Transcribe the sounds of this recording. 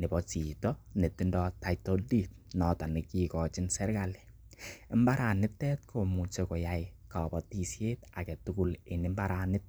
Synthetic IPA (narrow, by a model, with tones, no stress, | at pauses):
nɪ˨bɔ˨t͡ʃi˨tɔ˦ne˨ti˦ndɔ˦ta˨ito˦di˦t̚nɔ˨ta˨ni˨kikɔ˨t͡ʃɪ˦nsɛ˦rkali | ɛ˦mbaɾa˨nɪ˦tːɛt̚kʰo˨mu˨t͡ʃeko˨jajka˨bɔ˨ti˨sjeːta˨kɛ˨tukulenɪ˦mba˦ɾanɪ˦t̚